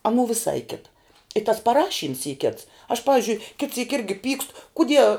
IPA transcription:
ɐˈnuː ʋʲɪˈsɐɪ ˈkʲɪtɐ ɪ tɐs pɐˈrɑːʃʲiːms iː kʲɪts ɐʃ ˈpɑːʋʲɪzʲd͡ʒʲʊɪ kʲɪt sʲiːk ˈɪrʲɡʲɪ ˈpʲiːkst kʊˈdʲiɛ

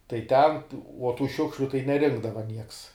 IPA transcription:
tɐɪ ˈtʲɛn uɔ tuː ˈʃʲʊkʃʲlʲʊ tɐɪ nʲɛˈrʲɪŋɡdɐʋɐ nʲiɛks

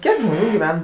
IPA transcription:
ˈkʲiɛk ˈʒmoːnʲuː ɡʲɪˈʋʲɛn

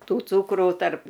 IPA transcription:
ˈtuː ˈt͡suːkruː tɐrp

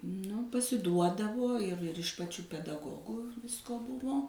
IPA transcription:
ˈnʊ pɐsʲɪˈduɔdɐʋoː ˈɪr ɪr ɪʃ pɐt͡ʃʲuː pʲɛdɐˈɡoːɡuː ˈʋʲɪskoː ˈbʊʋoː

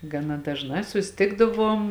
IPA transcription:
ɡɐˈnɐ dɐʒˈnɑː sʊsʲɪˈtʲɪɡdɐˌʋuɔm

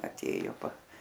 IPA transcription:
ɐˈtʲeːjʊ pɐ

